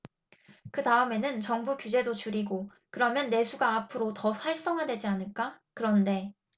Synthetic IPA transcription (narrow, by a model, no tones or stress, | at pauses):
kɯtaɯme̞nɯnt͡ɕʌŋbukjud͡ʑe̞dot͡ɕuɾiɡo | kɯɾʌmjʌnːe̞sʰuɡaːpʰɯɾotʌsʰaɭs͈ʌŋɦadwe̞d͡ʑianɯɭk͈akɯɾʌnde̞